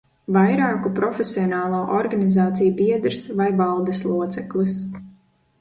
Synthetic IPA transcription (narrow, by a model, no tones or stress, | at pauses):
vajɾaːkupɾɔfʲesiɔnaːlˠoːʔɔɾɡanizaːt̪sijubiɛd̪ɾsvajvɑlˠd̪eslˠuɔt̪sɛklˠɨs